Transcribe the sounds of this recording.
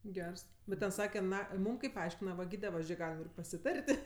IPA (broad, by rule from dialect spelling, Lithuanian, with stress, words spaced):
ˈɡʲɛrs ˈbʲɛt tʲɛn ˈsɑːkʲɛ ˈnɐ ˈmuːm kɐɪp ˈɐɪʃʲkʲɪnɐ ʋɐ ˈɡʲiːdʲɛ ˈʋɐ ˈʒʲeː ˈɡɑːlʲɪm ɪr pɐsʲɪˈtɐrʲtʲ